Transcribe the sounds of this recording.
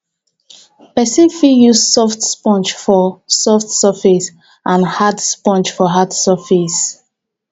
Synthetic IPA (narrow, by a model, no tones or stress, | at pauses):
pɛsĩnfijussɔftspɔ̃nt͡ʃfɔsɔftsɔfis | ʔãnhadspɔ̃nt͡ʃfɔɦadsəfis